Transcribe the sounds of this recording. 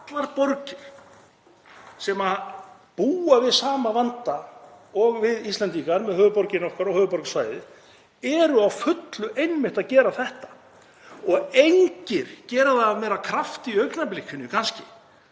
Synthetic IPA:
at̪laɾpɔɾcɪ̥ | sɛma | puːavɪðsaːmavant̪a | ɔɣvɪðist̪lant̪ikaɾmɛðhœːɣvʏpɔɾcɪnɔhkaɾɔhœːɣʏpɔɾksvaːjðɪ | ɛɾʏawfʏt̪lʏʔejnmɪht̪aðcɛːɾaθɛht̪ḁ | ɔɣejɲcɪɾ̥cɛːɾʏðaːmɛːɾakʰɾaft̪iœɥknaplɪcʰːʏnʏkʰanscɪ̰

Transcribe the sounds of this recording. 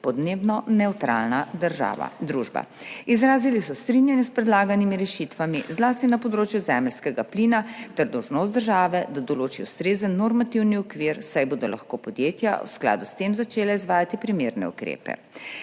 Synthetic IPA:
pɔd̪neːbnɔnɛwt̪ɾa̰lnad̪əɾʒa̰ːʋa̰d̪ɾuʒba̰ | izɾaːzilisɔst̪ɾinjanjɛspɾɛd̪laːɡanimiɾɛʃit̪ʋamizlaːst̪inapɔd̪ɾoːt͡ʃjuzɛːmɛlskɛɡaplinat̪ɛɾd̪ɔwʒnoːst̪d̪əɾʒaːʋɛd̪ad̪ɔloːt͡ʃiust̪ɾeːzənːoɾmat̪iwniɔkʋiɾsajboːd̪ɔla̰xkoːpɔd̪jeːt̪ja̰wskla̰ːd̪ust̪emzat͡ʃeːlaizʋaːjat̪ipɾimeɾnɛ̰ṵkɾḛːpɛ̰

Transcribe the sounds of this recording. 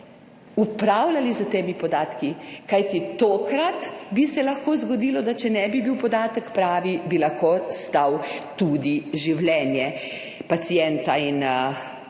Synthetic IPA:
upɾawlalizat̪eːmipɔd̪aːt̪kikajt̪it̪oːkɾat̪bisɛlɐxkoːzɡɔd̪iːlɔd̪at͡ʃɛnɛbibiwpɔd̪aːt̪əkpɾaːʋibilaxkoːst̪awt̪ud̪iʒiwlɛnjɛ | pat̪sijɛnt̪ain

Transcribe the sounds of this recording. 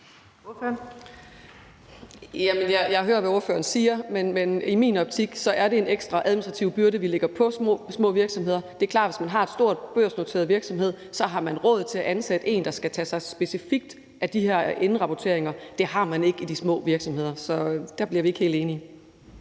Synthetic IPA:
jæmənjɑjɑɦø̰ːɐʋæo̝ɐfø̰ːɐn̩siːɐmenmenimḭːnɒ̽b̥̚t͡sʰiɡ̥sɒ̽ʔæɐɾe̝e̝neɡ̥sd̥ʁɑ̈ʔæðˠminsd̥ʁɑ̈t͡sʰiʊb̥yɐɾəʋileɡ̥ɐpʰɒ̽smɔ̰ːsmɔ̰̽ːʋiɐɡ̥sɒ̽mɦe̝ð̰ˠɐd̥e̝ɐkʰlɑ̰̈ːd̥ʋe̝smænɦɑ̈e̝d̥sd̥o̝ɐ̰d̥̚b̥øɐ̰sno̝t͡sʰe̝̰ɐðˠʋiɐɡ̥sɒ̽mhe̝ð̞̰ˠsɒ̽ɦɑ̈mænʁɔ̽ð̞̩ˠt͡sʰe̝æʔænsæd̥e̝̰ːnd̥ɑ̈sɡ̥æt͡sʰɛsɑ̈ɪsb̥e̝sifiɡ̥̚d̥ | ʔæd̥iheɐ̰e̝nn̩ʁɑ̈pʰɒt͡sʰe̝̰ɐeŋɐd̥e̝ɦɑ̈mæne̝ɡ̥id̥ismɔ̰̽ːʋiɐɡ̥sɒ̽mhe̝ð̞̰ˠɐsɒ̽d̥æɐb̥liɐʋie̝ɡ̥he̝̰ld̥e̝ːni

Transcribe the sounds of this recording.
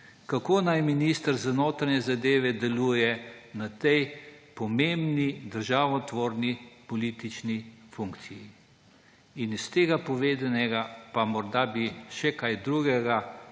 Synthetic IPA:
kakoːnajminist̪əɾzanoːt̪ɾanɛzad̪eːʋɛd̪ɛluːjɛnat̪ɛjpɔmembnid̪əɾʒaːwnɔt̪ʋoːɾnipɔliːt̪it͡ʃnifuŋkt̪siji | inist̪eːɡapɔʋeːd̪anɛɡapamɔɾd̪abiʃɛkajd̪ɾuɡɛɡa

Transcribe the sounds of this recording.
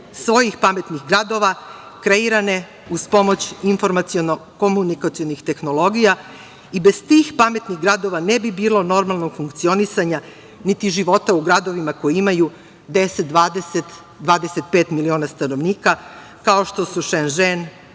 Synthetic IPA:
sʋo̞jixpame̞t̪nixɡɾad̪o̞ʋa | kɾe̞iɾane̞ | uspo̞mo̞t͡ɕinfo̞ɾmat̪sionoko̞munikat̪sio̞nixt̪e̞xno̞lˠo̞ɡija | ibe̞z̥t̪ixpame̞t̪niɣɡɾad̪o̞ʋanebibiːlo̞no̞ɾmalˠno̞ɡfuŋkt̪sio̞nisaɲa | nit̪iʒiʋo̞t̪auɡɾad̪o̞ʋimako̞jiimaju | d̪e̞set̪̚d̪aːd̪eset̪ | d̪ʋaːd̪e̞set̪̚pe̞ːt̪milio̞ːnast̪ano̞ʋniːka | kaoʃt̪o̞suʃenʒen

